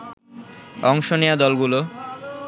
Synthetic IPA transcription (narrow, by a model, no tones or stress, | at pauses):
ɔŋʃonejad̪ɔlɡulo